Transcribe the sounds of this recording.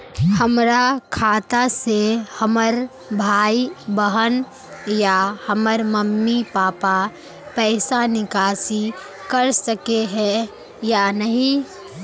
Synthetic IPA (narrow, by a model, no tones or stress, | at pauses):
həmɾakʰaːt̪asehəməɾ | bʱaːibəɦən | jahəməɾməmːipaːpa | pɛɪsanɪkaːsi | kəɾsəkeɦɛ | janəɦĩ